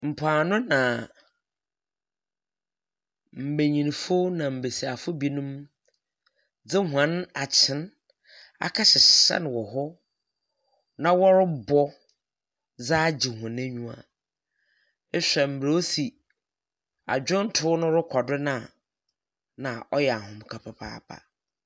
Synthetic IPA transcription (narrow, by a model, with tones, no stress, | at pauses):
m̩˨pʰaː˨nʊ̃˦nã˨ | m̩˨be˨ɲĩ˨n˨fo˦nã˨m̩˨be˨si˨a˨fʊ˦bi˦nʊ̃˦m | d͡zɪ˦ɦã˦na˨t͡ɕʰɪ̃˨˦n | a̰˨kʰa˦ɕɪ˨sa̰˦n˨wɔ˨ɦɔ˦ | nã˨wɔ˦ɾʊ˦bɔ˦ | d͡zaː˦d͡ʑi˨hʊ̃˨næ̃˦ɲũ˦a̰˨ | e˦ɕᶣɛ˨m̩˨bɾe˨o˦si˨ | a̰˨d͡ʑᶣʊ˦n̩˦tʰʊ˦nʊ̃˦ɾʊ˦kʰɔ˨dɪ˦nã˨ | nã˨ʔɔ˦jɛ˨a˨ɦʊ̃˨mʊ̃˨kʰa˨pʰa˨pʰa̰ː˦˨pʰa̰˨